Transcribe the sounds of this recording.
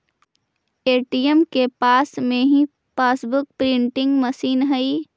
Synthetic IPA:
eːʈiemkepaːsmẽɦĩ | paːsbʊk̚pɾɪ̃ɳʈɪ̃ŋɡmɐsiːnɦɐi

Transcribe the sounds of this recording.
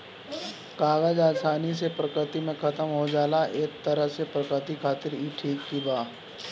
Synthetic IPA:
kaːɡəd͡ʒaːsaːnis̬epɾəkɾɪt̪imẽkʰɐt̪əmɦod͡ʒaːlaʔeːk̚t̪ɐɾəsepɾəkɾət̪ikʰaːt̪ɪɾiːʈʰiːkːibaː

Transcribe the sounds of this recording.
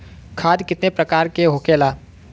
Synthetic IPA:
kʰaːd̪kɪt̪nepɾəkaːɾkeɦokeːlaː

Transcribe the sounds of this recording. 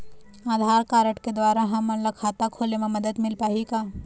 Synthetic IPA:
aːd̪ʱaːɾkaːɾəʈked̪waːɾaɦɐmɐlɐkʰaːt̪akʰoːlemẽmɐd̪əd̪mɪlpaːɦikaː

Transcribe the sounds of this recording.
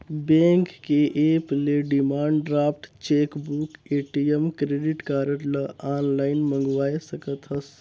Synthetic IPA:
bẽŋkːeʔepleɖimaːɳɖɖɾaːp̚ʰʈt͡ʃeːkbukeʈiemkɾeɖiʈkaːɾəʈ̪ləaːnlaɪnmə̃ŋɡʋaːesəkət̪ɦəs

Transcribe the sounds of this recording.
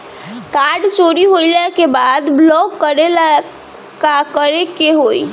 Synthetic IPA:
kaɾɖt͡ʃoɾiɦoilakebad̪blɔkːəɾela | kakəɾekeɦoi

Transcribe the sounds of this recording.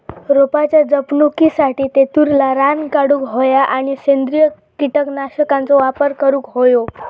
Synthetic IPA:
ɾopat͡ɕjad͡zəpnukisaʈiːt̪et̪uɾlaɾankaɽuːkɦojaʔaɽ̃isend̪ɾijə | kiʈəknaɕəkãnt͡sɔʋapəɾkəɾuːkɦojo

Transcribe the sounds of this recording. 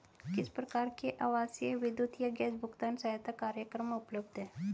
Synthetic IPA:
kɪspɾɐkaːɾkeʔaːʋaːsjeʋɪd̪jut̪jaɡɛːsbʱʊɡt̪aːnsajat̪akaːɾjəkɾəmʊpləbd̪ɦɛ̃ː

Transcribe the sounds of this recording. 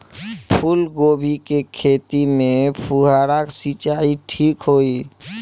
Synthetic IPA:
pʰulɡoːbʱikekʰeːt̪imẽpʰuɦaɾaksit͡ʃaːiʈʰiːkɦoːi

